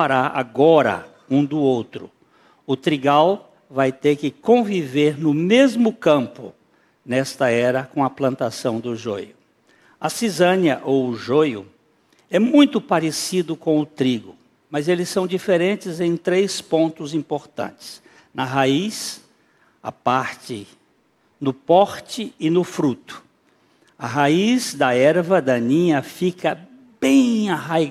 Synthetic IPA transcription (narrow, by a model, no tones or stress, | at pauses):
aɾaa̰ɡɔɾɐ̰ | ũd̪ʊowt̪ɾʊ | ʊt̪ɾiɡaw | vajt̪eɾkɪkõviveɾnʊmezmʊkɐ̃mpʊ̰ | nɛst̪ɐɛɾɐkõw̃ɐplɐ̃nt̪asɐ̃w̃d̪ʊʒojʊ | ɐsizɐ̃njɐʔowʊʒojʊ̰ | ɛmũj̃t̪ʊpaɾesid̪ʊkõw̃ʊt̪ɾiɡʊ | mɐzelɪsɐ̃w̃d͡ʒifeɾẽnt͡ʃɪzẽj̃t̪ɾejspõnt̪ʊzĩpoɾt̪ɐ̰̃nt͡ʃɪ̥s | nɐɦais | ɐ̰paɾt͡ʃɪ | nʊpɔɾt͡ʃɪɪnʊfɾut̪ʊ̥ | ɐɦaizd̪ɐɛɾvɐd̪ɐnĩɲɐfikɐ | bẽj̃aɦaj